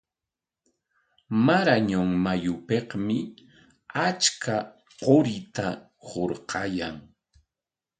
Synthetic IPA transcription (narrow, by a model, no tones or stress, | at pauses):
maɾaɲʊŋmajʊpehmɪ | at͡ʃkʰa | qoɾɪt̪a | hoɾqɑjaŋ